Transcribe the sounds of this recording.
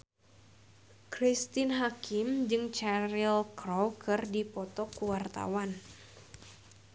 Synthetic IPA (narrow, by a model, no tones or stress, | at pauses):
kɾist̪ɪnɦakɪmd͡ʒɨŋt͡ʃaɾilkrɔwkɨrdipɔt̪ɔkuwart̪a̰wan